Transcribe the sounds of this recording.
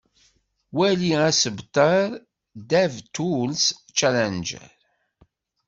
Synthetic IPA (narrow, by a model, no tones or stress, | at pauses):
wæliæsəbt̪ˤɑɾˤ | d̪ævt̪ulst͡ʃælænd͡ʒə̰ɾ